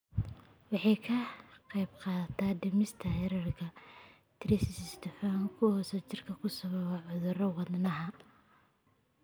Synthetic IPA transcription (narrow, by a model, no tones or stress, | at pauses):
wɑħɑjkʰɐqɛjbqɑːt̪ʰaːdɪmɪst̪ʰɐhɛɾɐrkʰɐ | t̪ʰɪɾɪssɪst̪ʰɛfaːŋkʰʊhɔsɛt͡ʃɪrkʰɐkʰʊsɐβɐβɐʕʊðʊrɐwɑðnɐɦɐ